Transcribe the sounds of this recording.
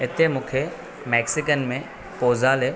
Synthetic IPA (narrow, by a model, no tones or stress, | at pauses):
ɪt̪emũːkʰe | mɛːksɪkənmẽ | poːzaːle